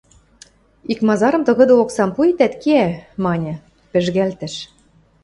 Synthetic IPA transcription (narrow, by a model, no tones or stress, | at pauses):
ikmɑzɑɾɤ̆mt̪ɤ̆ɣɤ̆d̪ɤ̆oksɑmpuet̪æt̪keæmɑnʲɤ̆ | pɘ̆ʒɣælt̪ɘ̆ʃ